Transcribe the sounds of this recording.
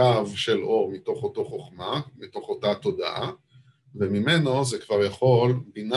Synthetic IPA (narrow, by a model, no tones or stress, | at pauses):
avʃe̞lo̞ʁmito̞χot̪o̞χo̞χmamito̞χo̞tat̪o̞d̪a̰ʔa | vemimeno̞zekvaʁjaχo̞lbina